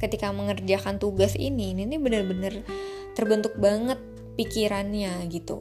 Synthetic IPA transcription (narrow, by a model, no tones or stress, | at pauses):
kət̪ikaməŋərd͡ʒakant̪uɡasḭnininibənərbənər | t̪ərbənt̪ʊk̚baŋət̪̚ | pikiɾanɲaɡit̪ṵ